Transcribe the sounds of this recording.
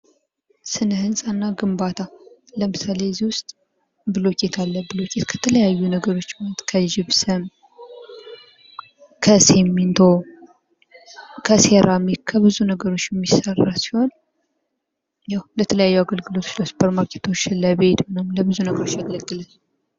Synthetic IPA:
sɨnəhɨnsʼanːaɡɨmbat̪ʰaləmɨsaleziwʊst̪ʼ | bɨlokʼe̞t̪ʰalːəbɨlokʼet̪kʰə̥t̪ʰələjajːunəɡəɾo̞t͡ʃːmat̪kʰəd͡ʒɪβsɨm | kʰəse̞mːint̪ʰo̞ | kʰəseɾamikkʰːəβɨzunəɡəɾo̞t͡ʃːjɛmːisərːasi̥ho̞n | jawlət̪ʰələjajːuaɡəlɡɨlo̞t̪ʰo̥t͡ʃləspʰəɾmakʰet̪ʰo̞t͡ʃːɪnləbe̞t̪wenəmləbɨzunəɡəɾot͡ʃːaɡələɡːɨlənː

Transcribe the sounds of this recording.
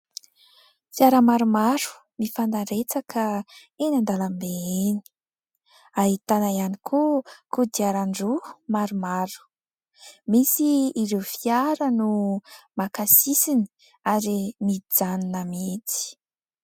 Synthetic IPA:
fiaɾəmaɾumaɾu̥ | mifand̪aɾet͡sakʰə | enand̪alambeeni̥ | aɦit̪anaianikʰukud̪iaɾaɳɖ͡ʐumaɾumaɾu̥ | misiːɾewfiaɾənumakasisini̥ | aɾimiid͡zaninəmit͡si̥

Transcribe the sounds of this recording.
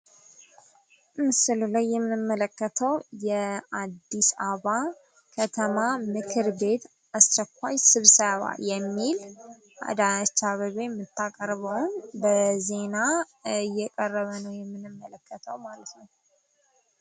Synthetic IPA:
ʔɨsɨlulajːɛmːɨnɨmːələkːət̪ʰəwjɛad̪ːisaβa | kʰət̪ʰəmamɨkʰɨɾbe̞t̪ | ast͡ʃɛkʷːajsɨβsəβa̰jɛmːil | ʔa̰d̪at͡ʃːaβəβemːɨt̪ʰːakʼəɾβəwnbəze̞na | jɛkʼərːəβənəwjɛmːɨnɨmːələkʰːət̪ʰəwmalət̪nəw

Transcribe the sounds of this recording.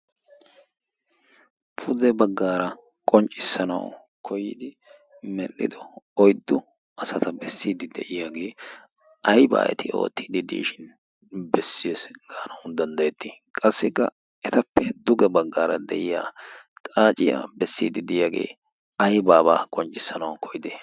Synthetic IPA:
pʰʊd̪ɛbɐɡːaːɾɐ | kʼɔnt͡ʃʼɪsːɐnɐ̰w | kʰɔjɪd̪ɪ | mɛlːɪ̰d̪ɔɔjd̪ːʊ | ɐsɐt̪ɐbɛsːiːd̪ɪd̪ɛʔɪjaːɡe̞ː | ɐjba̰ːʔɛ̰t̪ɪo̞̰ːt̪ːiːd̪ɪd̪ḭːʃɪn | bɛsːɪjeːsɡaːnɐwd̪ɐnd̪ɐjɛt̪ːɪkʼɐsːɪkːɐ̰ | ɛt̪ɐpːɛd̪ʊɡɛbɐɡːaːɾɐ̰d̪ɛʔɪja̰ːt̪ʼaːt͡ʃʼɪja̰ːbɛsːiːd̪ɪd̪ɪjaːɡe̞̰ː | ɐjbaːbaːkʼɔnt͡ʃʼːɪsːɐnɐwkʰɔjɪd̪eː

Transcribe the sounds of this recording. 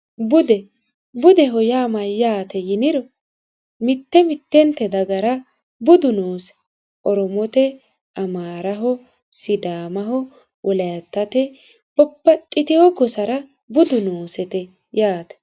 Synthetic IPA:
bʊd̪ɛ | bʊd̪ɛɦɔjaːmɐjaːt̪ɛjɪnɪɾɔ | mɪt̪ːɛmɪt̪ːɛnt̪ːɛd̪ɐɡɐɾɐ | bʊd̪ʊnoːsɛ̥ | ʔɔɾɔmɔt̪ɛ | ʔɐmaːɾɐɦɔ | sɪd̪aːmɐɦɔ | ʔɔlɐjɐt̪ːɐt̪ɛ | b̥ɔpːɐt̪ʼːɪt̪ɪhɔkɔsɐɾɐ | bʊd̪ʊnoːsɛt̪ɛ | jaːt̪ɛ̥

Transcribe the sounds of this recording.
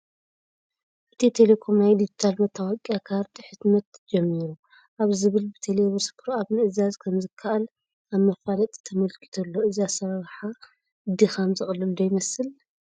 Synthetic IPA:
ʔɨt̪ʰit̪ʰe̞le̞kʰo̞mnajd̪id͡ʒit̪ʰalmɐt̪ʰːawakʼiakʰaɾt̪ʰʼiħɨt̪mɐt̪d͡ʒɛmːiɾu | ʔaβzɨβɨlbɨt̪ʰeleβɨskʰɨɾaβnɨʔɨzazkʰɐmzɨkʰːaʔal | aβmɐfalɐt̪ʼi̥t̪ʰɐmɐlkʼi̥t̪ʰolːo̞ɨziasɐɾaɾħa | ɨd̪ixamzɨxʼɨlɨd̪ojɪmɐsɨl

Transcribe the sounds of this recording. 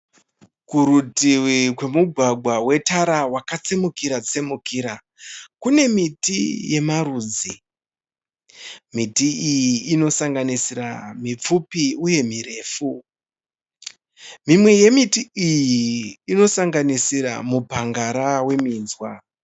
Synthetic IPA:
kuɾutiwikwe̞muɡʱwaɡʱwawe̞taɾawakat͡se̞mukiɾat͡se̞mukiɾa | kune̞mitḭje̞maɾuːd͡zi | mitiːjiːno̞saŋɡanisiɾamip͡fupiuje̞mire̞ːfu | mimwe̞je̞mitiijiːno̞saŋɡanisiɾa̰mubʱaŋɡaɾawe̞miːnzwa

